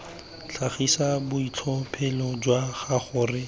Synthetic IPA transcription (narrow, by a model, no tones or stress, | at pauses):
t͡ɬʰaχisabʊit͡ɬʰɔpʰɛlɔd͡ʒwaχaχʊːrɪ